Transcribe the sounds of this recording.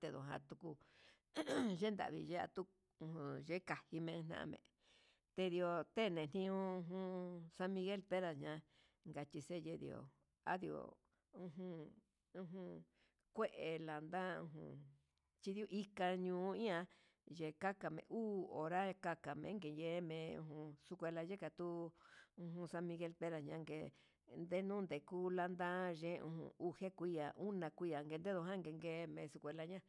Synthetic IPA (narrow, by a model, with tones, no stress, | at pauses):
t̪e˧ðõ˨ɦã̰˧t̪u˧ku˧ | ʒe˦nd̪a̰˨ʔβḭ˧ʒe˦a̰˧t̪u˦ | ũ˧hũ˧˨ʒe˦ka˨hi˧mẽ˧n̥ã̰˧ʔã̰˧mḛ̃˧ | t̪e˧ði˧o˧t̪e˦nẽ˨n̥ĩ˧ũ˧ũ˧ɦũ˧sã˧mĩ˧ɣe˦lpe˦ða˨ɲã˧˦ | ŋɡa˧t͡ʃ̪i˧se˦je˧ðḭ˧o̰˨ | a̰˦ði˧o̰˨ | ũ˧ɦũ˧ | ũ˧ɦũ˧ | kʷe˦ʔe˧la˨nd̪a˦ṵ̃˧ɦṵ̃˧ | t͡ʃi˧ðu˦ʔi˦ka˧ɲũː˧˨˦ĩ˦ã˧ | ʒe˨ka˦ka˨mḛ̃˨ʔuː˦o̰˨ɾa˦ka˧ka˨mḛ̃˨˦ŋɡe˨je˦mẽ˨ṵ̃˧ɦũ˧su˧kʷe˧la˧ʒe˦ka˨t̪u˦ũ˧ɦũ˧sã˧mĩ˧ɣe˧lpe˦ɾa˧˨ɲã˦˧ŋɡḛ˨ | nd̪e˦nũ˦nd̪e˨ku˦la˧nd̪ã˦ʒẽ˦ṵ̃˧hṵ̃˧u˧he˦kʷi˦ja˨ʔu˦nã˧kʷi˦ja˨ŋɡe˧nd̪e˦ðo˧ɦã˦ŋɡe˧ŋɡe˧˦˧mẽ˨˧su˧kʷe˧la˧ɲã˦